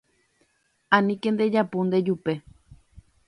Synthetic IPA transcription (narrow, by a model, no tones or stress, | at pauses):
anĩkend̪ed͡ʒapund̪ed͡ʒupe